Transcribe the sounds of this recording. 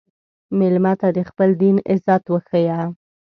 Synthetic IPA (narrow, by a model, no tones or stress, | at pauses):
mɪlmat̪ad̪əxpəld̪inɪzɑt̪wəxəja